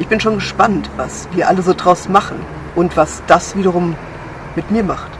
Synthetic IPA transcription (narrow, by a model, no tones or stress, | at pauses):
ʔɪçb̥ɪnʃoːnɡəʃpantv̥asv̥iːɐʔaləzoːdʁaʊsmaχn̩ | ʔʊntv̥asd̥asv̥iːɾɐʁ̞ʊm | mɪtmiːɐmaχt